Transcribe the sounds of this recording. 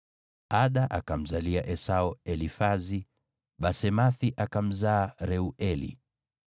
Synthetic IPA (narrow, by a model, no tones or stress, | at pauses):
aɗaʔakam̩zaliaʔɛsaɔɛlifazi | ɓasɛmaθiʔakam̩zaːɾɛuʔɛlḭ